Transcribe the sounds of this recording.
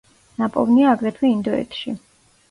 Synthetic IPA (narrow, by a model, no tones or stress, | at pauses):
napʼɔ̰vniaːɡɾɛt̪ʰwɛind̪ɔɛ̰t̪ʰʃḭ